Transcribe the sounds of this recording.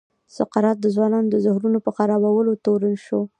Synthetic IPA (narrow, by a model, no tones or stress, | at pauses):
saqɑɾɑt̪̚d̪əzwɑnɑnod̪əzʊhɾunopəxaɾɑwawəlot̪oɾənʃo